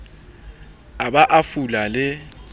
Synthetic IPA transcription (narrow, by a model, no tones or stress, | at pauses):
aɓaʔafulalɪ